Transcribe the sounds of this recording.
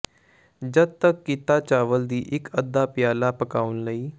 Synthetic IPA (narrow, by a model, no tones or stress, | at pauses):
d͡ʒəd̪̚t̪əkːɪt̪aːt͡ʃaːʋəld̪iːʔɪkəd̪ːaːpɪjaːlaːpəkaːʊnləiː